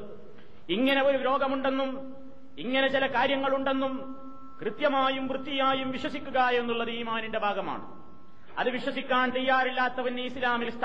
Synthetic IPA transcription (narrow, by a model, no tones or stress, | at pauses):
iŋːɐne̞o̞ɾuɾo̞ːɡɐmuɳɖe̞nːum | iŋːɐne̞t͡ɕilɐkaːɾjɐŋːɐɭuɳɖe̞nːum | krɨt̪jɐmaːjumʋrɨt̪ːijaːjumʋiɕwɐsikʲːuɣajenːuɭːɐðiːmaːninde̞bʱaːɡɐma̰ːɳɨ̰ | ɐ̰ðɨʋiɕwɐsikʲːaːnt͡ɕe̞jːaːrilːaːt̪ːɐʋɐnːeislaːmilst̪ʰ